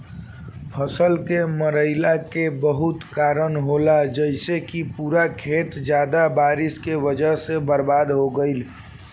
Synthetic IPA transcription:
pʰəsəlkeməɾəɪlakebəɦut̪kaːɾənɦolad͡ʒəɪsekipuːɾakʰeːt̪d͡ʒjaːd̪abaːɾɪskeʋəd͡ʒəɦsebəɾbaːd̪ɦoɡəɪl

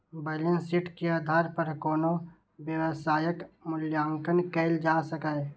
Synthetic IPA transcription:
bələnsɪʈʰkeaːd̪ʱaːɾpəɾkoːno | ʋjəʋəsaːjəkmʊljãːŋkənkɛɪld͡ʒaːsəkaːe

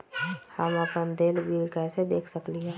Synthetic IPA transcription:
həmapənd̪eːlbilkased̪eːkʰsəkliɦɛː

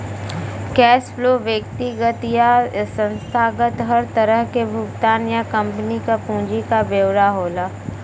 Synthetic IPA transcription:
kɛːsfloːʋjək̚t̪iɡət̪jasə̃nst̪ʰaːɡət̪ɦɐɾt̪əɾəɦkebʱʊɡt̪aːnjakɐ̃mpənikapũːd͡ʒikabeːwɾaɦoːlaː

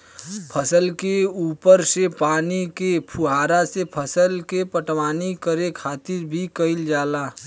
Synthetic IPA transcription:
pʰəsəlkeuːpəɾsepaːnikepʰuɦaːɾasepʰəsəlkepəʈwaːnikəɾekʰaːt̪ɪɾbʱikəɪld͡ʒaːlaː

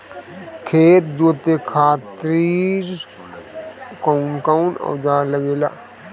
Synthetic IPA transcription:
kʰeːt̪̚d͡ʒoːt̪ekʰaːt̪ɾiɾ | koʊnkawnɔ̰ːd͡ʒaːləɡeːla̰ː

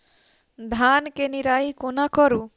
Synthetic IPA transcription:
d̪ʱankeniɾaikonakɔɾu

